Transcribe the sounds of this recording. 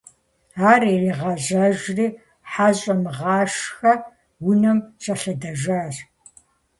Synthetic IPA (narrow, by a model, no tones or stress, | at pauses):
aːririːʁɐʑɐʒriː | ħaːɕʼɐmɨʁɑːʂxɐ | wʊnɐmɕʰʼɐɬɐdɐʒaːr